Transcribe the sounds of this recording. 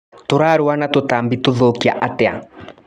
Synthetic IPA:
toɾaɾowanatotambitoðokia̰ʔatea̰

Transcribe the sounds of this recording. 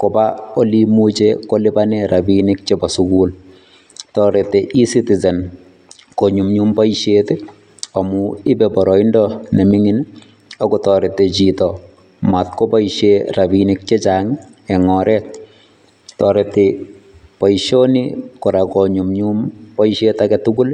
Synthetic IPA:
kobaolimut͡ʃekolibanɛɾʔabinɪk̚t͡ʃebasukuːl | tɔɾeteʔisitizɛn | koɲumɲumbɔiʃete | ɔmuɪbɛbɔɾɔindɔnɛmiŋɪn | ɔkɔtɔɾetet͡ʃitɔ | matkopaiʃerabinɪk̚t͡ʃet͡ʃaŋ | ɛŋɔɾɛt̚ | tɔɾete | pajʃonḭkɔɾakoɲumɲumpɔiʃetakɛtuɡul

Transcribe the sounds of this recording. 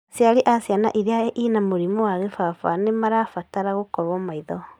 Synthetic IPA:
sjaɾiʔasjana̰ʔiɾeaʔinamoɾimɔwaɣefafa̰nemaɾafataɾaɣokɔβɔmaiðɔ

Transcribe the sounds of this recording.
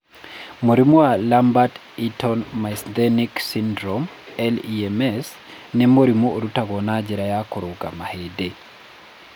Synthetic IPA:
moɾimoalambat | itɔnmasd̪ɛniksindɾɔm | ɛliɛmɛs | nɛmoɾimooɾutaɣɔnad͡ʒɛɾajakoɾoɡa̰mahede

